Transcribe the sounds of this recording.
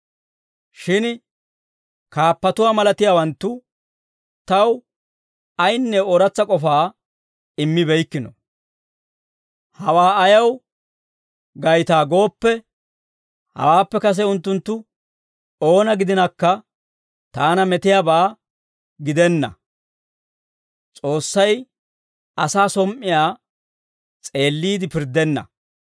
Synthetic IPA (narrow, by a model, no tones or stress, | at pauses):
ʃɪn | kaːpːɐt̪ʊwaːmɐlɐt̪ɪjaːwɐnt̪ːʊ | t̪ɐw | ɐjnːɛoɾɐt͡sːɐkʼɔfaː | ɪmːɪbɛjkːɪnɔ̰ | hɐwaːɐjɐw | ɡɐjt̪aːɡo̞ːpːɛ | hɐ̰waːpːɛkɐs̬ɛʊnt̪ːʊnt̪ːʊ | o̞ːnɐɡɪd̪ɪnɐkːɐ | t̪aːnɐmɛt̪ɪjaːbaː | ɡɪd̪ɛnːɐ̰ | t͡sʼo̞ːsːɐj | ɐsaːsɔmʔɪjaː | t͡sʼe̞ːlːiːd̪ɪpɪɾd̪ɛnːɐ̰